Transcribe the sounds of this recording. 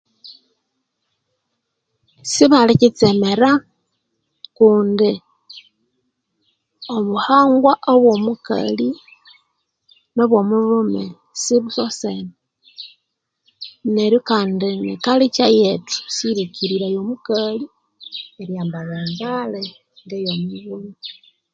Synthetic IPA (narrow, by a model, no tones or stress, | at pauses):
siβalicit͡semeɾa | kuːndi | oβuhaːŋɡwaʔoβwo̞muka̰li | no̞βwo̞mulume | siβusosene | neɾjokaːndinḭkalit͡ʃajetu̥siɾikʰiɾiɾajomukali | eɾjaːmbaβeːŋɡale | ŋɡejomuβume